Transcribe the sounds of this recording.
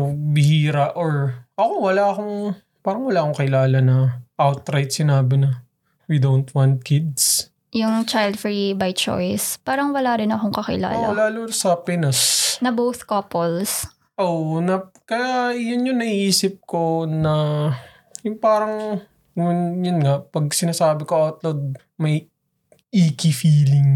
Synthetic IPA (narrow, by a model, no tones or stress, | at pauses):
bɪhiːɾɐʔoɹʔɐkowɐlaʔɐkoŋ | paːɾɐŋwɐlaːʔɐkoŋkɪlaːlɐnɐʔawt̪ɾajt̪̚sɪnaːbɪnɐ | wɪd̪ownt̪wɐnt̪̚kɪd̪s | jʊŋt͡ʃajld̪fɾibajt͡ʃo̰jspaːɾɐŋwɐlaːɾɪnɐkoŋkɐkɪ̰la̰ːlɐ̰laːlʊsɐpɪnɐsnɐbowθkopols | ʔonɐkɐjajʊnjʊŋnɐiʔiːsɪp̚ko̞nɐ | jʊŋpaːɾɐŋ | jʊnjʊnŋɐpɐɡ̚sɪnaːsaːbɪkoʔawt̪lod̪̚ | mɐj | ʔiːkifiːlɪŋ